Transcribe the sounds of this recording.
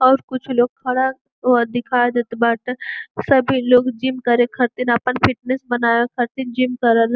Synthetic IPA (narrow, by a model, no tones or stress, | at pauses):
ɔːɾkʊt͡ʃʰloːɡ̚kʰɐɽa | od̪ɪkʰaːjd̪eːt̪ebaːʈesɐbʱiloːɡd͡ʒimkɐɾẽkʰɐt̪inɐpənfʰɪʈnesbɐnaːjokʰɐɾt̪ind͡ʒimkɐɾəl